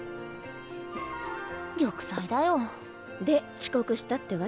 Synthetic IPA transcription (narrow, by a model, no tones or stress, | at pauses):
ɡʲokɯ̟̥said̪ajo | d̪e̞t͡ɕi̥ko̞kɯ̟ɕi̥t̪at̪ːe̞βa